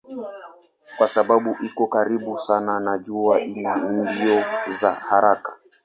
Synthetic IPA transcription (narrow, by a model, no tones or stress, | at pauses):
kwasaɓaɓuʔikɔkaɾiɓusananaʄuaʔilin̩diɔzahaɾakḁ